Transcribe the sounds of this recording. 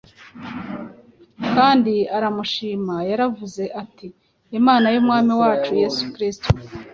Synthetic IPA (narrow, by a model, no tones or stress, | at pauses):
kaːndiaɾamuʃiːmajaɾavuze̞ʔatiː | maːnajumŋaːmiwaːt͡ʃuje̞sukɾisto